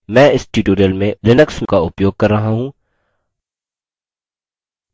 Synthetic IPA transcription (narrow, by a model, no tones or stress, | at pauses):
mɛ̃ːɪsʈiːʈoːɾijəlmẽlɪnəkskaʊpjoːɡ̚kɐɾːɐɦaɦũː